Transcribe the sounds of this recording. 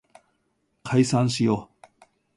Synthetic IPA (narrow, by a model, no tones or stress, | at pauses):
kʰaisãñɕijo